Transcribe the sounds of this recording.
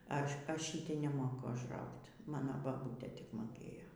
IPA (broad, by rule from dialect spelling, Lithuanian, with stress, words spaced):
ˈɐʃ ˈɐʃ ʃʲiːtʲɛɪ nʲɛˈmoːkʊ ɐʒˈrɐʊktʲ ˈmɑːnoː bɐˈbuːtʲeː ˈtʲɪk moːˈkʲeːjoː